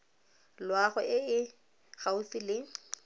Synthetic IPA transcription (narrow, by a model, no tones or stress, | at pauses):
lwaɣʊʔɪɪ | ɣaʊfɪlɪ